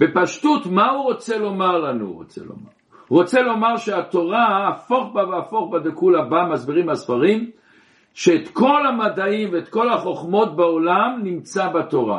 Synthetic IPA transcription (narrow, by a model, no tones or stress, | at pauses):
b̥epaʃtut̪mauʁot͡selo̞maʁlanṵʁo̰t͡sḛlo̰ma̰ | ʁot͡selo̞maʁʃeat̪o̞ʁaːfo̞χbaveafo̞χbad̪ekulabamazbiʁimasfaʁim | ʃeːt̪ko̞lamad̪aimveːt̪ko̞laχo̞χmo̞t̪̚beolamnimt͡sabat̪o̞ʁa̰